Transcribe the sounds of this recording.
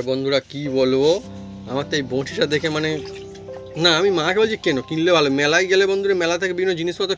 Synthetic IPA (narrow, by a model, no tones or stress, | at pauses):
bond̪ʱuɾakibolo | amat̪ejbõʃiʃad̪ekʰemane | naamimaːkʰebold͡ʑikɛnokilːebʱalomɛlajɡɛlebond̪ʱuɾemɛlat̪ʰekebibʱinːod͡ʑiniʃpɔt̪o